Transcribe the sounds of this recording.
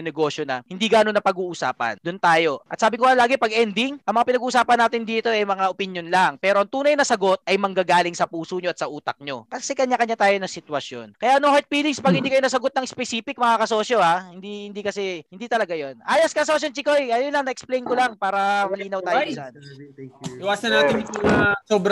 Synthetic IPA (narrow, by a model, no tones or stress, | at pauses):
nɛɡo̞ːʃjonɐhɪnd̪iːɡanonːɐpɐɡuːʔʊsa̰ːpɐ̰nd̪ʊnt̪aːjo̞ɐt̪̚saːbɪkoɐlaːɡɪpɐɡʔɛnd̪ɪŋʔɐŋmɐŋapɪnɐɡuːʔʊsaːpɐnaːt̪ɪnd̪iːt̪o̞ʔɐjmɐŋaʔopɪnjonlaŋpɛːɾo̞ʔɐŋt̪uːnɐjnɐsɐɡo̞t̪̚ʔɐjmɐŋɡaɡaːlɪŋsɐpuːsoɲoɐt̪sɐʔuːt̪ɐk̚ɲo̞̰kɐsɛkɐɲjakɐɲat̪aːjo̞nɐsɪt̪wɐsjo̰nkɐjaʔnoŋhɛt̪̚fiːlɪŋspɐɡ̚hɪnd̪ikɐjoɐs̬ɐɡot̪nɐŋspɛsiːpɪk̚mɐŋakɐso̞ːsjohahɪnd̪ihɪnd̪ikɐsɛhɪnd̪iːt̪ɐlɐɡajo̞nʔaːjɐskɐsosjont͡ʃikojʔɐjonlɐŋnɐʔɛksplejnkolɐŋpaːɾɐmɐliːnɐwt̪aːjosan | lɪwaːsɐnaːt̪ɪnuasoːbɾ